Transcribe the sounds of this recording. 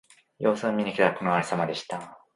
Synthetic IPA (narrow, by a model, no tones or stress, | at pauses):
jo̞ːsɨ̃mːʲiɲʲikʲit̪eako̞noaɾisamad̪e̞ɕi̥t̪a